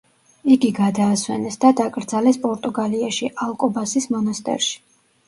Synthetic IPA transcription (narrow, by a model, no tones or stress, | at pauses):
iɡiɡad̪aːswɛnɛsd̪ad̪akʼɾd̪zalɛspʼɔɾt̪ʼuɡaliaʃiʔalˠkʼɔbasismɔnast̪ʼɛ̰ɾʃi̥